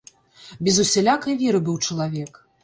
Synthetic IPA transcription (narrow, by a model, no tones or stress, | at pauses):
bʲɛzusʲɛlʲakɐjvʲɛɾɨbɨwt͡ʂɐlˠavʲɛk